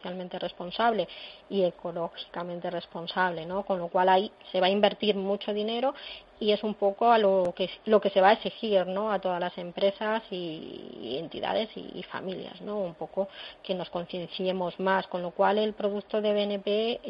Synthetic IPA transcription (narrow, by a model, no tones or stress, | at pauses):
θjalmẽnt̪e̞re̞spo̞nsaβle̞ie̞ko̞lo̞xi̥kamẽnt̪e̞re̞spo̞nsaβle̞no̞ko̞nlo̞kwalajse̞β̞aimbe̞ɾt̪iɾmut͡ʃo̞ðine̞ɾo | ie̞sumpo̞koalokelo̞ke̞se̞βaesixiɾno̞at̪o̞ðazlase̞mpɾe̞sasi | ḛnt̪ḭða̰ðe̞sḭḭfa̰milja̰zno̞umpo̞koke̞no̞sko̞n̟θje̞nθje̞mo̞zmasko̞nlo̞kwale̞lpɾo̞ð̞ukt̪o̞ðe̞βenepe